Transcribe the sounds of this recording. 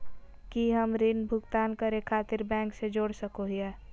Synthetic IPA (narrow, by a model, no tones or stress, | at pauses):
kiɦəmɾɪnbʱʊɡt̪aːnkəɾekʰaːt̪ɪɾbɛ̃ːŋksed͡ʒoːɽsəkoɦiɛː